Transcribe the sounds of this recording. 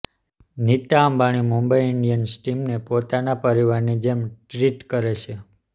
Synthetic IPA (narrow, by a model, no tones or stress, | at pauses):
nit̪aːmbaɽ̃imumbəiɪɳɖijənsʈimnepot̪anapəɾiʋaɾnid͡ʒemʈɾiʈkəɾet͡ʃʰe